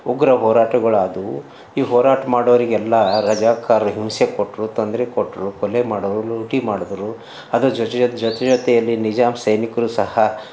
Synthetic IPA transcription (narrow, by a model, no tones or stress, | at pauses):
uɡɾɐɦɔːɾaːʈɐɡɐɭad̪u | iːɦɔːɾaːʈɐmaːɽɐʋɐɾiɡɛlːɐɾɐd͡ʒaːkaːɾuɦimsekoʈːɾut̪ond̪ɾekoʈːɾukɔlemaːɽoʋɾuluuʈimaːɽɔʋɐɾu | ɐd̪ud͡ʒɐt̪ɛd͡ʒɔt̪ɛd͡ʒɔt̪ɛjɐlːinid͡ʒaːmsɐjnikɐɾuːsɐhɐ